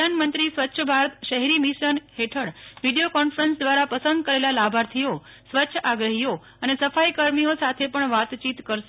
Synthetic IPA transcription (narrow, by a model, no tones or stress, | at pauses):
əanmənt̪ɾisʋətːʃʰəbʱaɾət̪ʃəɦɾimiʃənɦeʈʰəɽʋiɖijokɔnfəɾənsd̪ʋaɾapəsənd̪̚kəɾelalabʱaɾt̪ʰio | sʋətːʃʰəʔaɡɾəɦijo | ənesəfajkəɾmiosat̪ʰepəɳʋat̪t͡ʃit̪kəɾʃ